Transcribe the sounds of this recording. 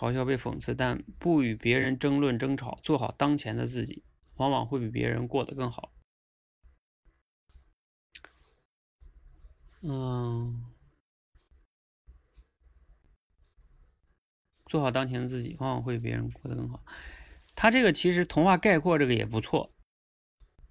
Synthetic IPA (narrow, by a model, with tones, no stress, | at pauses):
xɑ˧˥ʊɕjɑ˥˧pe˥˩ɪfɤ̰˨˩ŋt͡sʰɹ̩˥˧t̪a˥˧npu˥˩y˨˩pjɛ˧˥ɻə˧˥nʈ͡ʂɤ˥ŋlwə˥˩nʈ͡ʂɤ˥ŋʈ͡ʂʰɑ˨˩˦ʊt͡swɔ˥˩xɑ˨˩ʊt̪ɑ˥ŋt͡ɕʰjɛ˧˥nd̪ə̰˧t͡sɹ̩˥˩t͡ɕḭ˨˩˦ | wɑ˧˥ŋwɑ̰˨˩ŋxwe˥˩ɪpi˨˩pjɛ̰˧˥ɻə̰˧˥nkwɔ˥˩d̪ə˩kɤ˥˩ŋxɑ˨˩˦ | t͡swɔ˥˩xɑ˨˩ʊt̪ɑ˥ŋt͡ɕʰjɛ˧˥nd̪ə˧t͡sɹ̩˥˩t͡ɕi˨˩wɑ˧˥ŋwɑ̰˨˩ŋxwe˥˩ɪpi˨˩pʲjʲɛ̰˧˥ɻə̰˧˥nkwɔ˥˩d̪ə˩kɤ˥˩ŋxɑ˨˩˦ | t̪ʰa˥ʈ͡ʂɤ˥˩ɡə˩t͡ɕʰi˧˥ʂɻ̩˧˥t̪ʰʊ˧˥ŋxwa˥˧ka˥˧ɪkʰwɔ˥˧ʈ͡ʂɤ˥˩ɡə˩jɛ̰˨˩p̬u˧˥t͡sʰwɔ̰˥˩